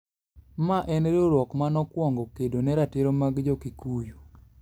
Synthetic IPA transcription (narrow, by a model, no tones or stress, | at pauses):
maʔɛnɾoɾwɔkmanɔkwɔŋɡɔkedonɛɾatɪɾomaɡd͡ʒokikujo